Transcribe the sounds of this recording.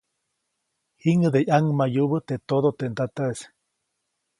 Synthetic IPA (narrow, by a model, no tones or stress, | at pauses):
hiŋəd̪ejaŋmajuβət̪et̪od̪ot̪ent̪at̪aʔes